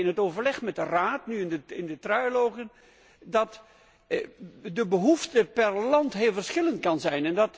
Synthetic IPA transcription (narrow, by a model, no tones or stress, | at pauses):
ɪnɦətowvəɹlɛχmɛt̚dəraːtnyɪnəɪndətrœjlowɣən | dɑt | dəbəɦuftəpɛrlɑntɦɪːlˠvərsχɪləntkɑnzɛjnɛndɑt